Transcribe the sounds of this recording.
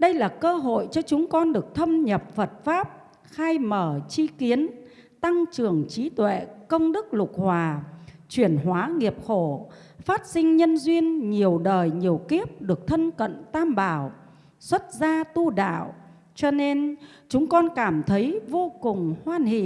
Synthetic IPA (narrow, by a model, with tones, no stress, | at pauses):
ɗə˧jlaː˨˩kəː˧ɦo̰˧˨jt͡ɕɔ˧t͡ɕʊ˨˦ŋ͡mkɔ˧nɗɨ˨˩ək̚t̪ʰə˧mɲə˨˩p̚fə˨˩t̚faː˦˥p̚ | xaː˧jməː˧˩t͡ɕi˨˦ki˨˦ən | t̪a˧ŋt͡ɕɨ˨˩əŋt͡ɕi˨˦t̪wḛ˧˨kə˧wŋ͡mɗɨ˦˥k̚lʊ˨˩k̚hwaː˨˩t͡ɕwi˧˩ənɦwaː˨˦ŋi˨˩əp̚xo˧˩ | faː˦˥t̚sï˧ŋ̟ɲə˧nzwi˧ənɲi˨˩əwɗəː˨˩jɲi˨˩əwki˦˥əp̚ɗɨ˨˩ək̚t̪ʰə˧nkə̰˧˨nt̪aː˧mɓaː˧˩w | swə˦˥t̚zaː˧t̪u˧ɗa̰ː˧˨w | t͡ɕɔ˧ne˧n | t͡ɕʊ˨˦ŋ͡mkɔ˧nkaː˧˩mt̪ʰə˨˦jvo˧kʊ˨˩ŋ͡mhwaː˧nhḭ˧˨